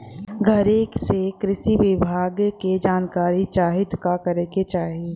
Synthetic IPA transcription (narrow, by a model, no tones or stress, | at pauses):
ɡʱɐɾeːksekɾɪʃiʋɪbʱaːɡked͡ʒaːnkaːɾit͡ʃaːɦɪd̪kakɐɾeket͡ʃaːɦieː